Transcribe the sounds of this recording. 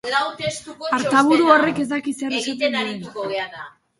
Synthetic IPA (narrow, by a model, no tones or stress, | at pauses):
laut̪est̪ukoaɾt̪aβuɾuore̞ke̞zd̪akiseɾset̪enaɾiikoβeaða